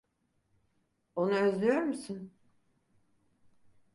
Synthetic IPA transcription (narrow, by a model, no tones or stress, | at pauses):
onuøzlʲyjoɾmusɯn